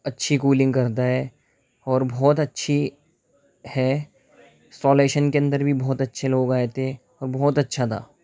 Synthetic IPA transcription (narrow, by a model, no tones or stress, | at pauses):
ɐtːʃʰikuːlɪ̃ŋɡkɐɾt̪̬aɦɛː | ɔːɾbʱɔːt̪ɐtːʃʰi | hɛː | sɔːleːʃənkeɐ̃nd̪əɾbʱibɔːt̪ɐtːʃʰeloːɡaːet̪e | ɔːɾbɔːt̪ɐtːʃʰat̪ʰa̰ː